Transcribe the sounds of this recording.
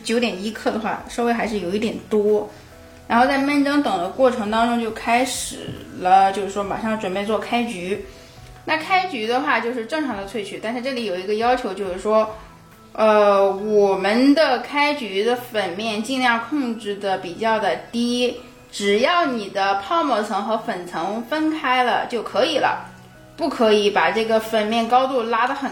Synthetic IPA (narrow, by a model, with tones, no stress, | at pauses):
t͡ɕjo˧˥ʊt̪jɛ˨˩ni˥kʰɤ˥˩d̪ə˩xwa̰˥˩ʂwxa˧˥ɪʂɻ̩˥˩jo˨˩ʊi˥˩t̪jɛ˨˩nt̪wɔ˥ | ɻa˧˥nxo˥˧ʊt͡sa˥˧ɪmə˥˩nʈ͡ʂɑ˥ŋt̪ɤ˨˩ŋd̪ə˦kwɔ˥˩ʈ͡ʂʰɤ˧˥ŋt̪ɑ˥ŋʈ͡ʂʊ˥ŋt͡ɕjo˥˩ʊkʰa˥ɪʂɻ̩˨˩lə˦t͡ɕjo˥˧ʊʂɻ̩˥˩ʂwɔ˥ma̰˨˩ʂɑ˥˩ŋʈ͡ʂwə˨˩npe˥˧ɪt͡swɔ˥˩kʰa˥ɪt͡ɕy˧˥ | na˥˩kʰa˥ɪt͡ɕy˧˥d̪ə˧xwa˥˧t͡ɕjo˥˧ʊʂɻ̩˥˧ʈ͡ʂɤ˥˩ŋʈ͡ʂʰɑ˧˥ŋd̪ə˧t͡sʰwe˥˩ɪt͡ɕʰy˨˩t̪a˥˧nʂɻ̩˥˧ʈ͡ʂɤ˥˩li˨˩˥jo˨˩ʊi˧˥ɡə˧jɑ˥ʊt͡ɕʰjo˧˥ʊt͡ɕjo˥˧ʊʂɻ̩˥˩ʂwɔ˥ | ə˧wɔ˨˩mə˧˦nd̪ə˧kʰa˥ɪt͡ɕy˧˥d̪ə˧fə˨˩nmjɛ˥˧nt͡ɕi˥˧nljɑ˥˧ŋkʰʊ˥˧ŋʈ͡ʂɻ̩˥˩d̪ə˩pi˨˩t͡ɕjɑ˥˩ʊd̪ə˩t̪i˥ | ʈ͡ʂɻ̩˨˩jɑ˥˩ʊni˨˩d̪ə˦pʰɑ˥˩ʊmɔ˥˩t͡sʰɤ˧˥ŋxɤ˧˥fə˨˩nt͡sʰɤ˧˥ŋfə˥nkʰa˥ɪlə̰˨t͡ɕjo˥˩ʊkʰɤ˧˥i˨˩lə̰˦ | pu˥˩kʰɤ˧˥i˧˥pa˨˩ʈ͡ʂɤ˥˩ɡə˩fə˨˩nmjɛ˥˩nkɑ˥ʊt̪u˥˩la˥d̪ə˨xə˨˩